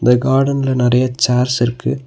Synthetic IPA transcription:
nd̪ɐɡaːɽɐnɪlɐnɪɾɐjɐt͡ʃaːɾsɪɾɯkːɯ

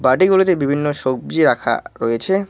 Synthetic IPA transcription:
baʈiɡulot̪ebibʱinːoʃok̚bd͡ʑiɾakʰa̰ɾɔjet͡ɕʰe

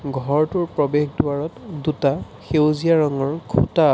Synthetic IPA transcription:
ɡʱɔɹtʊɹpɹɔbexduaɹɔtduta | xewzijaɹɔŋɔɹkʰṵta

